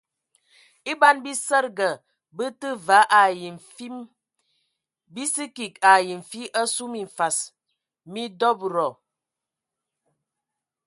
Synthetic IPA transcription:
i˦ba˦nbi˦sə˦ɾɡə˨ | bə˦tə˦va˨˦ʔa˨ji˨i˦m | bi˦si˦ki˨ka˨ji˨ɱ˨fi˦ʔə˦su˦mi˨ɱ̩˨fa˨s | mi˦dɔ˦bɾɔ˨

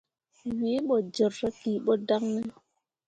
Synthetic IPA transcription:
wi˨˦ɓɔ˨d͡ʒɔ˨ɾɾa˦ki˨ɓɔ˦da˦ŋnɛ˦

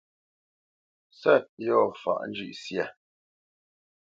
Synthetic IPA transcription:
sɛ˦˨t̚jɔ˦˨fa̰˨ʔn̩˦d͡ʒʉ̰˨ʔsjɛ˦˨

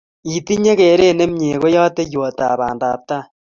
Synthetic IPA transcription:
i˨ti˦ɲe˦ɣe˨ɾe˦˨ne˦mɲe˨ɣo˦ja˦te˦jwo˨ta˨βa̰ː˨nda˨ta˦

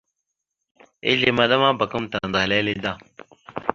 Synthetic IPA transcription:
ḛ˦ɮe˨ma˨ɗa˦ma˦ba˨kə˦mta˨n˨da˨le˦le˦da˦˨

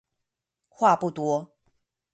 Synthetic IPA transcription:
xwa˥˧pu˥˩t̪wɔ˥˦

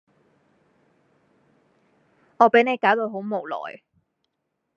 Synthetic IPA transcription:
ŋɔː˨˧pe˨˥jne˨˧jkaː˨˥wt̪o˨˧wɦo˨˥wmo˨wlɔ̰ː˨˩j

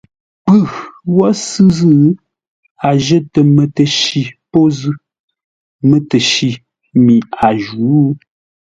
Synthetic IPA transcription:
pʉ˦˨wɔ˦sɨ˦zɨ˦ | a˨ʒə˦tə˨mə˨tə˨ʃi˨po˦zʉ˦ | mə˦tə˨ʃi˨ | mi˨a˨ʒu˨˦

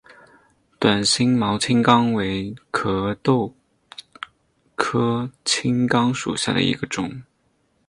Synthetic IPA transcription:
t̪wa˨˩nɕi˥ŋmɑ˧˥ʊt͡ɕʰi˥ŋkɑ˥ŋwe˧˥ɪkʰɤ˧˥˩t̪o˥˩ʊ | kʰɤ˥t͡ɕʰi˥ŋkɑ˥ŋʂṵ˨˩ɕja̰˥˩d̪ə̰˩ḭ˧˥ɡə˧ʈ͡ʂʊ˨˩˦ŋ

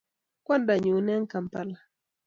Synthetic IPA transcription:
kwa˦nda˨ɲu˨˦nɛ˦ŋka˨mpa˦˨la˨

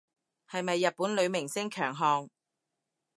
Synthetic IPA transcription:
hɐ˨jmɐ˨jːɐ˨t̚puː˨˥nlɵ˨˧ɥmɪ˨˩ŋsɪ˥ŋkʰœː˨˩ŋɦɔː˨ŋ

